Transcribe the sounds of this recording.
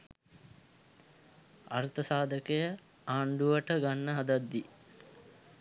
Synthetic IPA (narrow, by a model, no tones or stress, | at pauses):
a̰rt̪əsaːd̪əkəjə | aːɳɖuʋəʈəɡanːəɦad̪ad̪ːi